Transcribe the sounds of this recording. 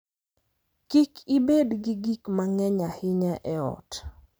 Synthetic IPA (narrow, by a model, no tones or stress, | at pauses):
kikʰibedɡiɡikmaŋɛɲahɪɲɛʔɛɔ̰t